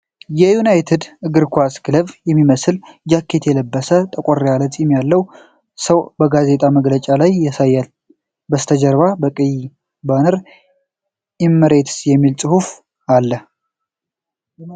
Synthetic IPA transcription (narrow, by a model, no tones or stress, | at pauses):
jɛjunajt̪ʰed̪ɨɡɨɾkʰʷaskɨləβjɛmːiməsɨld͡ʒakʰːe̞t̪jɛləbːəsət̪ʼəkʷʼoɾːealət̪ʼimjalːəw | səwbəɡaze̞t̪ʼaməɡlət͡ʃʼalajːɛsajːal | bəst̪ʰəd͡ʒəɾβabəkʼɨj | banəɾ | jɪmːəɾe̞t̪sjɛmːilt͡sʼɨhuf | alːə